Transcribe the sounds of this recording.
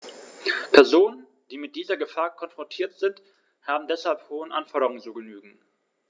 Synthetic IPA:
pʰɛɐzoːnən | d̥iːmɪt̚d̥iːzɐɡəfaːɐkʰɔnfʁ̥ɔntʰiːɐtz̥ɪnt | haːbm̩dɛshalphoːənʔa̰nfɔɐɾəʁʊŋənt͡suːɡənyːɡŋ̩

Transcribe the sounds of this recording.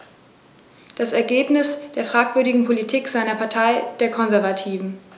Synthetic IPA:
d̥asɛɐɡeːpnɪsd̥eːɐfʁ̥aːkv̥ʏɐdɪɡŋ̩pʰolitʰiːkz̥aɪnɐpʰaɐtʰaɪd̥eːɐkʰɔnzɛɐvatʰiːvn̩

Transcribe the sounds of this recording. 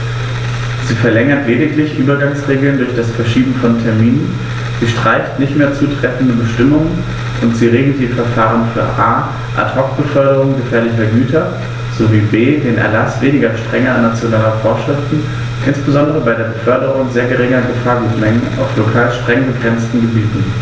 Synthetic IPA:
z̥iːfɛɐlɛŋɐtleːdɪklɪçʔyːbɐɡaŋsʁeːɡl̩ndʊɐçd̥asfɛɐʃiːbm̩fɔntʰɛɐmiːnən | z̥iːʃtʁ̥aɪçtnɪçtmeːɐt͡suːtʁ̥ɛfn̩dəbəʃtɪmʊŋən | ʔʊntz̥iːʁeːɡl̩t̚d̥iːfɛɐfaːʁ̞ənfyːɐʔaː | ʔa̰tʰhɔk̚b̥əfœɐdəʁʊŋɡəfɛːɐlɪçɐɡyːtʰɐ | z̥oviːbeːdeːnʔɛ̰ɐlasv̥eːnɪɡɐʃtʁ̥ɛŋɐanːat͡sjonaːlɐfoːɐʃʁ̥ɪftn̩ | ʔɪnsb̥əzɔndəʁəbaɪdeːɐbəfœɐdəʁʊŋzeːɐɡəʁɪŋɐɡəfaːɐɡuːtmɛŋəna̰ʊflokʰaːlʃtʁ̥ɛŋnbəɡʁɛnt͡stn̩ɡəbiːtn̩

